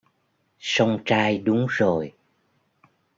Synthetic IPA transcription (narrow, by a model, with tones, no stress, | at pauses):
sə˧wŋ͡mt͡ɕaː˧jɗʊ˨˦ŋ͡mzo˨˩j